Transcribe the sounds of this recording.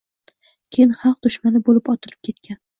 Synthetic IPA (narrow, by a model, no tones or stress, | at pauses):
kʲʰejɪnhɑq̚d̪̥ʊʃmanɪbolɪpɒt̪ʰɪlɪ̥p̚kʲʰe̞t̪kʲan